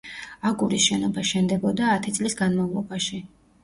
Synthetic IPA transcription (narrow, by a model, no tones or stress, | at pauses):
aɡʼuɾisʃɛnɔbaʃɛnd̪ɛbɔd̪aːt̪ʰit̪sʼlisɡanmavlˠɔbaʃi